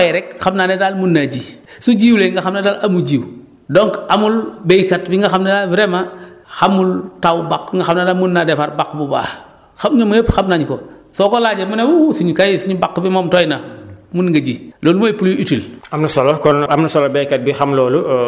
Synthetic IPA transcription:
jɛɾɛkxamnanetalmunːaɟi | suɟiːwleŋɡaxamnetalʔamuɟiːw | doŋkamulbejkatbiŋɡaxamnedaviɾemaxamultawbakŋɡaxamnadamunːadefaɾbakːbuba̰ | xamɲomɐjepxamnaɲukosɔkolaɟemuneusuɲukajsuɲubakːbimomtɔjnamunŋɡaɟiloːlumoipuljuʔitilamnusolokɔnamnusɔlobejkat̚bixamloːlu

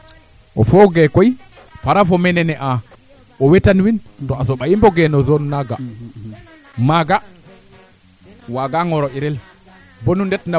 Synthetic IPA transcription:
ʔɔfɔɡɛkɔj | faɾafɔmɛnɛnɛʔa | ʔɔwɛtanwintɔasɔɓajimbɔɡɛnɔzɔnnaɡa | maɡa | waɡaŋɔɾɔiɾɛl | bɔnundɛtna

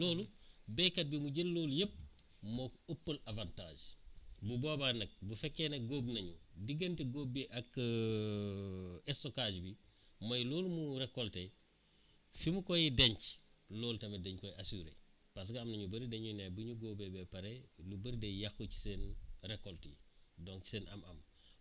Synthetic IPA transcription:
loːlubekɐt̚bimuɟelloːljəp̚ | mokopːəlavanta̰ːʒbuboːbanɐk̚bufɛkːenɐɡoːbnɐɲudiɡɐntiɡoːbːiʔɐk | estokaːd͡ʒbimɐjloːlmuɾekolte | fimukojideɲt͡ʃloːltɐmedeɲkojasuːɾḛ | pas̬ɡɐɐmnɐɲubɐɾideɲunebuɲuɡoːbebɛpɐɾelubɐɾdejaxuci̥senrekoltḭdoŋt͡ʃi̥senʔɐ̰mɐ̰m

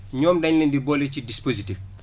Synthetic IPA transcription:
ɲɔːmdɐɲlɛndibɔːlɛt͡ʃidispozitif

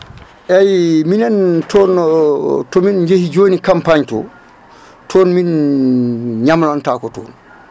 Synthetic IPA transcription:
ʔejminentoːn | tominɟehiɟoːnikampaɲto̰ | tʰoːnmin | ɲamlantaːkoto̰ːn

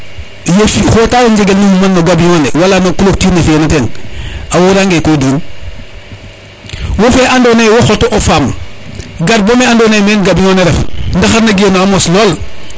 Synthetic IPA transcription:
jefixotaːwoɲd͡ʒeɡelnumumanːoɡabiɲonewalanokuloktinefienatenawoɾaŋɡekoduːn | wofeʔandonewoxotoʔofam | ɡaɾ̚bomeandonemenɡabiɲoneɾefndaxaɾnaɡienoamosloːl

